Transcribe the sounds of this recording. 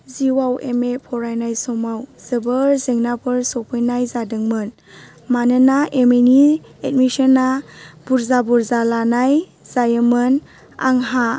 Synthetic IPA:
ziwawḛmepʰɔɾajnajsɔmawz̥ɯbɯɾzeŋnapʰɯɾsɔpʰɯjnajzadɯŋmɯn | manɯnaʔemeni | et̚misənːab̥uɾzabuɾzalanaj | zajəmɯn | a̰ŋɦa

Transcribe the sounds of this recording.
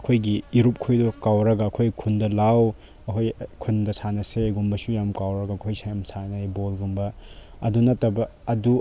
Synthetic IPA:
ɐkʰojɡiːɾup̚kʰujdɔkawɾɐɡɐːkʰojkʰundɐlaw | ɐkʰojkʰundɐsanɐseɡumbɐsujamkawɾɐɡɐɐkʰojsajamsanɐjbolɡumbɐ | ɐdunɐtːɐbɐːdu

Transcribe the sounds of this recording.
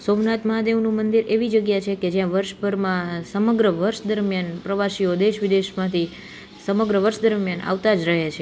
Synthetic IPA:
somnat̪məɦad̪eʋnũmənd̪iɾeʋid͡ʒəɡjat͡ʃʰeked͡ʒjãʋəɾʃpəɾmãsəməɡɾəʋəɾʃd̪əɾmjanpɾəʋaʃiod̪eʃʋid̪eʃmãt̪ʰi | səməɡɾəʋəɾʃd̪əɾmjana̰ʋt̪ad͡ʒɾəɦet͡ʃʰe

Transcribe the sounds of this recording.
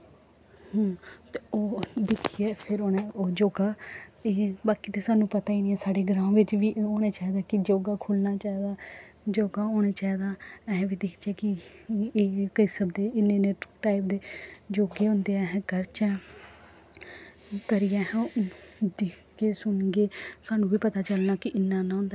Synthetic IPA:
hːt̪eoːd̪ɪkʰijɛːpʰɪɾoːneoːd͡ʒoːɡaːeːbaːkiːt̪eːsaːnũːpət̪aːiːnĩɛːsaːɖeːɡɾãːõːʋɪt͡ʃʋiːʔoːneːt͡ʃaːid̪aːkɪd͡ʒoːɡaːkʰʊlnaːt͡ʃaːid̪aːd͡ʒoːɡaːoːneːt͡ʃaːid̪aːɛɦʋiːd̪ɪkʰd͡ʒɛːkɪeːkəiːsəbd̪eːɪnːẽːneːʈaːɪp̚d̪eːd͡ʒoːɡeːʊ̃nd̪eːɛɦɛ̃ːkəɾt͡ʃɛ̃ | kəɾɪjaːɦ | d̪ɪkʰ | ɡeːsʊnɡeːsʊaːnũːʋiːpət̪aːt͡ʃəlnaːkɪʔɪnːãːnãːõnd̪a

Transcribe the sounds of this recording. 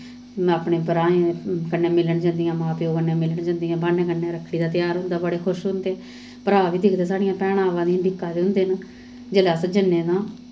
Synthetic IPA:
aːpɳeːpəɾaːẽkənːẽːmɪləɳd͡ʒãːnd̪ijãːmãːpjoːkənːẽːmɪləɳd͡ʒãːnd̪ijãːbaːnẽːkənːeːɾəkʰːɽiːd̪aːt̪ɪjaːɾɦʊ̃nd̪aːbəɽeːkʰʊʃɦʊ̃nd̪eː | pəɾaːʋiːd̪ɪkʰd̪aːsaːɽijãːpɛːɽ̃ãːʋãːd̪ĩːɖɪkːaːd̪eːʊ̃nd̪eːn | d͡ʒəlaːsəd͡ʒənːeːnãː

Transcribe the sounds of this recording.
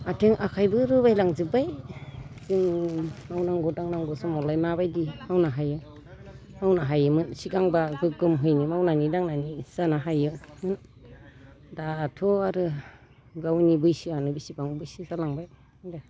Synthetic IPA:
atʰeŋʔakʰajbɯɾɯbajlaŋzɯbaj | ziŋmawnaŋɡɔdaŋnaŋɡɔsɔmɔlajmabajdimawnaɦajɯ | mawnaɦajɯmɯnsiɡaŋbaɡɯɡɯmɦɯjnimawnanidaŋnaniz̥anaɦajɯmɯn | daːtʰɔaɾɯ | ɡawnibɯjsianɯbisibaŋbɯjsizalaŋbaj | da

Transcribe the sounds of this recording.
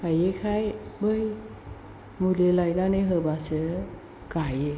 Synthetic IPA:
kajekʰajbɯj | mulelajnanɯɦɯbasɯ | kaje

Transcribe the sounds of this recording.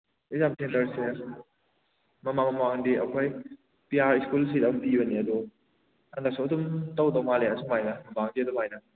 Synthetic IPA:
izamtʰentɐɾse | mɐmamɐmaŋdiʔɐkʰoj | piaɾiskuls̬idampibɐniɐd̪u | andaksuɐdumtawdɐwmaleɐsʰumajnɐmɐbaŋdiɐdumajnɐ

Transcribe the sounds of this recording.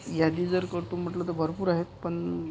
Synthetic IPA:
jad̪iːd͡zəɾkəɾt̪uːm̤əʈlət̪̬əbʱəɾpuːɾaɦet̪pəɳ

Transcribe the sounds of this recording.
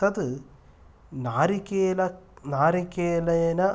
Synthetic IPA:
ɐt̪ɨ | naːɾikeːlɐnaːɾikeːlɐjɐnɐ

